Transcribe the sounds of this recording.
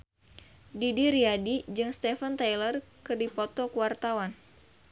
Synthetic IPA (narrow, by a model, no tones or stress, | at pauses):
didiɾiadid͡ʒɨŋst̪ɛfənt̪ajlərkɨrdipɔt̪ɔkuwart̪awan